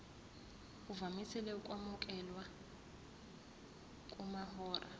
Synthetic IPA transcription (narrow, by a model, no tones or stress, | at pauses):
uvamisilɛukʼwamukʼɛlwa | kʼumahɔːra̰